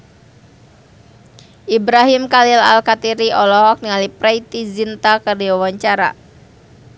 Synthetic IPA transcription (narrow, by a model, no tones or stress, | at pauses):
ʔibɾaɦimkalila̰lkat̪iɾiʔɔlɔɦɔk̚niŋalipɾɛit̪izint̪akərdiwawaɲt͡ʃaɾa̰